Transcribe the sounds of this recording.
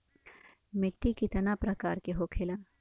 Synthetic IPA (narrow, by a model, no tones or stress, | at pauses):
mɪʈːikit̪ɐnapɾɐkaːɾkeɦokʰelaː